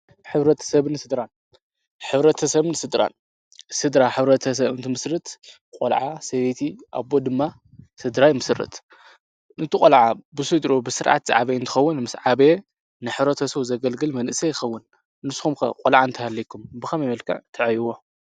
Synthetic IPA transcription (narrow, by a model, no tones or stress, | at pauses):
ħɨβɾɐt̪ʰɐ̥sɐβnɨsɨd̪ɾan | ħɨβɾɐt̪ʰɐsɐβnɨsɨd̪ɾa̰n | sɨd̪ɾaħɨβɾɐt̪ʰɐs̬ɐβɨnt̪ʰɨmɨsɾɨt̪ | kʼo̰lʕasɐβet̪ʰiʔa̰bod̪ɨmːa | sɨd̪ɾajmɨsrɨ̰t̪ | ɨnt̪ʰɨkʼolʕabɨsɨd̪ɾobɨsɨɾʔa̰t̪z̥a̰ʕaβeɨnt̪ʰɨ̥xɐwːʊnmɨsʕaβe | nɨħɨβɾɐt̪ʰɐsɐβzɐɡɐlɡɨlmɐnʔɨsɐjɪxɐwːʊn | nɨsxumkʰɐ̰kʼolʕaɨnt̪ʰɐhalːikʰːumbɨxɐmɐmɐlkʰɐ̰ʕt̪ʰɐʕjwo